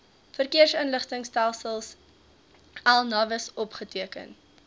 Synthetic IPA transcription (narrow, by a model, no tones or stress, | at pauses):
fərkiərsənləχtəŋstælˠsəlˠs | ɛlˠnɐvəsɔpχətiəkə̰n